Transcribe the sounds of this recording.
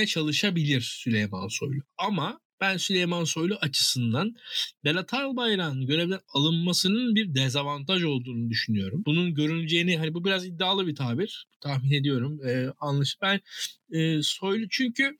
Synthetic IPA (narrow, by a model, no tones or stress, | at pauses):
ɛt͡ʃʰalˠɯʃabilʲiɾ̥sylʲejma̰nso̞̰jlˠuama | b̥ænsylʲe̞jmanso̞jlˠuʔat͡ʃʰɯ̥sɯnd̪anbelʲˠat̪ʰaɾlˠbajɾanɟø̞ɾe̞vd̪ʲænalˠɯnmasɯnɯnbiɾd̪ezavant̪ʰaʒo̞lˠd̪uːnud̪yʃynyjo̞ɾumbununɟø̞ɾynyd͡ʒe̞jiniɦanibubiɾazid̪ːaːlˠɯbit̪ʰaːbiɾ̥but̪ʰahmine̞d̪ijo̞ɾumɛanlˠaʃɯ̥bænɛːso̞jlˠut͡ʃʰyɲcʰy